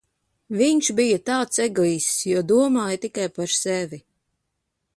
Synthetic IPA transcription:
viɲʃbijat̪aːt̪seɡliːssjuɔd̪uɔmaːjat̪ikajpaɾsɛvi

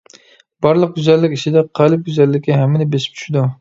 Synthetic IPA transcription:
bɑɾlˠəq̚ɡʲyzælːɪkʲiʃɪd̪ɛqʰɑlˠɪp̚ɡʲyzælːɪkʲːɪɦɛmːɪnɪbeʃɪ̥p̚t͡ʃʰy̥ʃɪd̪u

